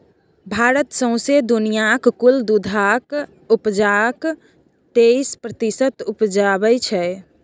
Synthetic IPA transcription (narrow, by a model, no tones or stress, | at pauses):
bʱaɾət̪sə̃sed̪unijakkuld̪ud̪ʱak | upd͡ʒak | t̪eispɾət̪isət̪upd͡ʒabɛt͡ʃʰɛ